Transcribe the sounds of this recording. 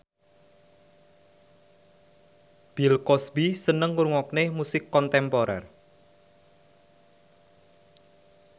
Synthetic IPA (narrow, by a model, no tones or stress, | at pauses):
b̥ilkɔsbisənəŋːuɾŋɔk̚nemusɪkːɔnt̪ɛmpɔɾɛ̰r